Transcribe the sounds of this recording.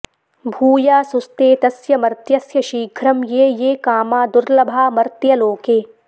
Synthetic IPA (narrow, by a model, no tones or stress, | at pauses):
bʱuːjaːsʊst̪eːt̪ɐsjɐmɐɾt̪jɐsjɐʃiːɡʱɾɐmjeːjeːkaːmaːd̪ʊɾlɐbʱaːmɐɾt̪jɐloːkeː